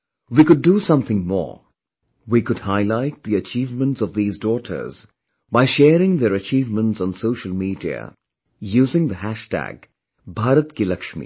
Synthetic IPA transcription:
wiːkʊɖusʌ̃mθɪ̃ŋmɔ̰ːɹ | wikʊd̚haɪlaɪt̪̚d̪iət͡ʃiːvmə̃nʈsɔvðiːzdɔʈʰə̰˞z̥ | baɪʃɛːɾɪ̃ŋðəɾət͡ʃiːvmə̃ntsn̩soʊʃəl̩ˠmiːdiə̰ | juːzɪ̃ŋd̪əɦæʃtæ̰ɡ | bʱaːɾət̪kilʌkʃmḭ

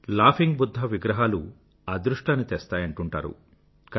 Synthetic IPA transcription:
laːpʰiŋɡbud̪ʱːɐʋiɡɾɐɦaːlu | aːd̪ɾuʂʈaːnːit̪ɛːst̪aːjɐɳʈuɳʈa̰ːɾṵ | k

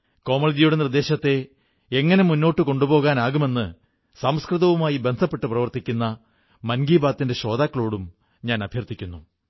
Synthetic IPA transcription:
ko̞ːmɐɭid͡ʑijuɽe̞nird̪e̞ːɕɐt̪ːe̞ | eŋːɐne̞munːo̞ːʈːɨko̞ɳɖubo̞ːɣaːnaːɣume̞nːɨ | sɐmskrɨðɐʋumaːjibe̞nd̪ʱɐpːe̞ʈːɨprɐʋɐrt̪ikʲːunːɐ | mɐnɡiːbaːt̪ːinde̞ɕo̞ːd̪aːkːɐɭo̞ːɽum | ɲaːnɐbʱjɐrt̪ikʲːunːu

